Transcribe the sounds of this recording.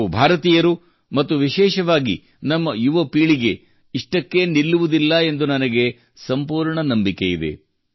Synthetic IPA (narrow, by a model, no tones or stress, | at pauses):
ubʱaːɾɐt̪iːjɐɾu | mɐt̪ːuʋiʃɛːʃɐʋaːɡḭ | nɐmːɐjuʋɐpiːɭiɡe̞ | iʂʈɐkːe̞nilːuʋud̪ilːɐe̞nd̪unɐnɐɡe̞ | sɐmpuːɾɳɐnɐmbike̞jid̪e̞̰